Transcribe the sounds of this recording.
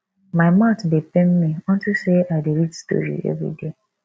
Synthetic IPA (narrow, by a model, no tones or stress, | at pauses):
maɪmãtdepem̩miɔ̃n̩tiseaɪdeɾitsto̰jṵḛvɾḭde